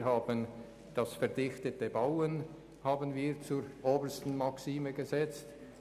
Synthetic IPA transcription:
haːbən | d̥ɑsfɛʁdɪxtətəbaʊən | haːbənviːʁt͡suːɾʔoːbəstn̩mɑksiːməɡəzɛt͡st

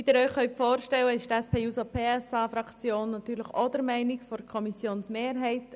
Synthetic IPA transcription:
id̥̪ɪɾœʏχœʏtfoːɾʃtɛwəɪʃtɛspʰeːuːsopʰeːɛsɑːfɾɑkt͡sjoːnːɑt̪yːɾləχod̥̪əɾmæɪnɪkfɔɾkʰɔmisjoːnsmeːɾɦɛɪt

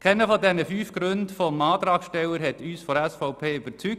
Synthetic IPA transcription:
kʰɛnəfɔdɛnəfyːfɡ̥ɾøndfɔmɑːt̪ɾɑːkʃtɛləɾhɛtyːsfɔɾɛsfɔʊpʰeːyb̥əɾt͡syk̚

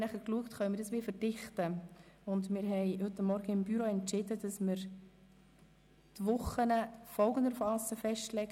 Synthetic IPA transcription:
næχəɾkluəktχœʏənmɪːɾd̥ɑsʋiːfəɾd̥ɪχtəʊndmɪɾɦɛɪhɵt̪ːamːɔɾɡ̥əɪmbyɾoɛntt͡ʃɪd̥əd̥ɑsməɾ | tʋʊχənəfɔlˠɡəndəfɑsəfɛʃtlɛɡ

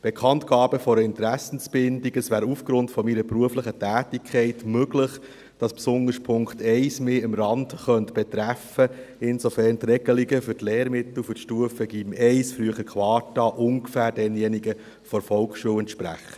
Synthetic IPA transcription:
b̥ekʰɑntkɑːb̥əfɔɾəɪnt̪ɾæsn̩sb̥ɪndiɡəsʋæːɾufɡɾʊntfɔmiɾəpɾuəfləχətæːtikʰɛɪtmøɡlɪχ | d̥ɑspsʊnəɾspʰʊŋktɛɪsmeːɪmɾɑndχœntb̥ɛt̪ɾæfəɪnsɔfɛɾnt̪rɛɡ̥əliɡəfʏtleːɾmɪt̪l̩fʏtʃtuəfəɡ̥iːmɛɪsfɾyəχəɾkʰwɑːtɑʔʊŋɡəfæːɾdɛnjɛniɡə | fɔɾfɔlksʃuəwɛnt̪ʃpɾæ̰χə̥

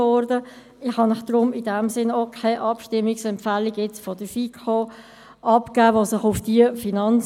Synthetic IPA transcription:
ɔɾdə | ɪχhɑnɪχd̥ɾʊmɪdɛmsɪnoːkʰaɪʔɑpʃtɪmːiksɛmpfæliɡjɛt͡sfɔd̥əfikʰoː | ʔɑpkæːosɪχʊfd̥iəfinɑn

